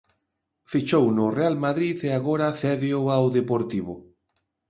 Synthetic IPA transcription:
fit͡ʃownʊrealmaðɾiteaɣoɾaθɛðeoawðepoɾt̪iβʊ

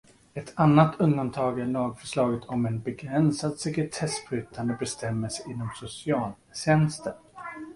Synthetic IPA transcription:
ɛt̪ʰanːat̪ʰɵnd̪ant̪ʰɑːɡæɭɑːɡfœ̥ʂɭɑːɡət̪ʰɔmɛnbɛɡɾɛnsad̪sɛkɾɪt̪ʰɛsfɾʉ̟ːt̪ʰand̪əbɛst̪ʰɛmːəlsɛʔɪnːɔmsʊsɪɑːl | ɕɛnst̪əɾ

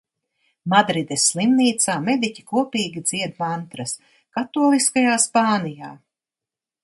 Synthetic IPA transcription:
mad̪ɾid̪esːlˠimniːt̪saːmed̪icʲi̥kuɔpiːɡʲid̪z̥iɛd̪mant̪ɾɐs | kat̪uːlˠiskajaːspaːnijaː

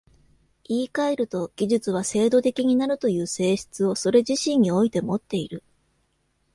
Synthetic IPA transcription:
iːkaeɾɯ̟t̪o̞ɡ̥ʲiʑɨt͡sɨβase̞ːd̪o̞t̪e̞kʲiɲ̟inaɾɯ̟t̪o̞jɯ̟ːse̞ːɕi̥t͡sɨo̞so̞ɾe̞ʑiɕĩɲ̟ːio̞it̪e̞mo̞t̪ːe̞iɾɯ̟

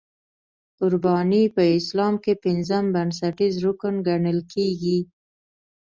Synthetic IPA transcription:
kʊɾbɑnipəɪslɑmkepɪnzəmbans̬aʈizɾʊkənɡaɳəlkʰeɡi

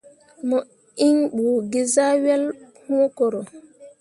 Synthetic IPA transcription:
mɔ | iŋɓuɡizawɛlhukɔɾɔ

